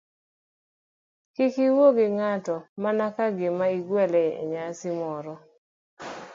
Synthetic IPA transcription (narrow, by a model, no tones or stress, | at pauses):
kikiwoɡɪŋatɔmanakaɡɪmaiɡwɛlɛḛɲasɪmɔɾɔ